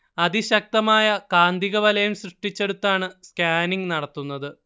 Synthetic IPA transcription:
ɐðiɕɐk̚t̪ɐmaːjɐkaːnd̪iɣɐʋɐlɐjumɕrɨʂʈit͡ɕːe̞ɽut̪ːaːɳɨskʲaːniŋnɐɽɐt̪ːunːɐðɨ

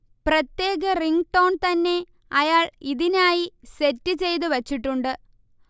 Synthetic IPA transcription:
prɐt̪je̞ːɣɐriŋɡʈo̞ːɳt̪ɐnːe̞ | ɐjaːɭiðinaːjise̞tːɨt͡ɕe̞jt̪̬ɨʋɐt͡ɕːiʈːuɳɖɨ

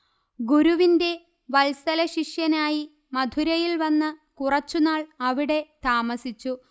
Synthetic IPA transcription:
ɡuɾuʋinde̞ | ʋɐlsɐlɐɕiʂjɐnaːji | mɐd̪ʱuɾɐjilʋɐnːɨkurɐt͡ɕːunaːɭɐʋiɽe̞t̪aːmɐsit͡ɕːu

